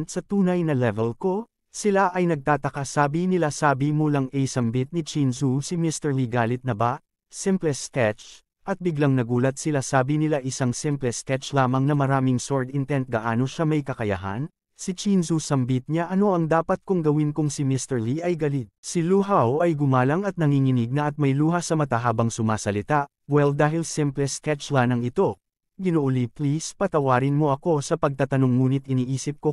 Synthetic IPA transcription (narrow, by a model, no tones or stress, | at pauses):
nt̪sɐt̪uːnɐjnɐlɛvɛlko̞ | sɪlaʔɐjnɐɡ̚t̪aːt̪ɐkasaːbinɪlasaːbimulaŋʔɛjsɐmbit̪̚nɪt͡ʃinsusimist̪ɛɹliɡaːlɪt̪̚nɐba | sɛmplɛskɛt͡ʃ | ʔɐt̪̚bɪɡlaŋnɐɡuːlɐt̪̚sɪlasaːbinɪlaʔɪsaŋsɪmplɛskɛt͡ʃlaːmɐŋnɐmɐɾaːmɪŋsoɹd̪ɪnt̪ɛnt̪̚ɡɐʔaːno̞ʃamɐjkɐkɐja̰ɦa̰n | sit͡ʃinsusɐmbit̪̚ɲaʔɐno̞ʔɐŋd̪aːpɐt̪̚kʊŋɡɐwɪnkʊŋsimɪst̪ɛɹliʔɐjɡɐlit̪̚siluɦawɐjɡʊmaːlɐŋɐt̪̚nɐŋiŋɪnɪɡ̚nɐʔɐt̪̚mɐjluːɦɐsɐmɐt̪ɐɦaːbɐŋsʊmaːsɐlɪt̪aʔ | wɛld̪aːɦɪlsɪmplɛskɛt͡ʃlanɐŋɪt̪o̞ | ɡɪnoʔʊliplispɐt̪ɐwaːɾɪnmo̞ʔɐko̞sɐpɐɡ̚t̪at̪ɐno̞ŋːuːnɪt̪ʔɪniːʔiːsɪp̚ko̞